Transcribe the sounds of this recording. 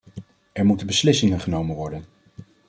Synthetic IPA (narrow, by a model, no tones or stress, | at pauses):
ɛɹmutənbəslɪsɪŋənχənowmənʋɔɹdən